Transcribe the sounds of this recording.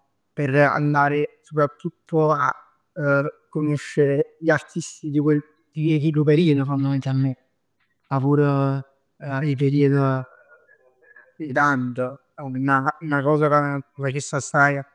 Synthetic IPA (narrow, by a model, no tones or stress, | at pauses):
pera̰nd̪aːɾɪsopɾat̪ʰːut̪ʰːoa | kːonoʃːeɾeʎiart̪ʰist̪id̪ikwel | d̪iekikopeɾiːəd̪ofanːamet̪amɪ | avuːɾo | ip̬eɾiːəd̪o | d̪it̪ant̪o | unaunakɔːzakafat͡ʃesːasaja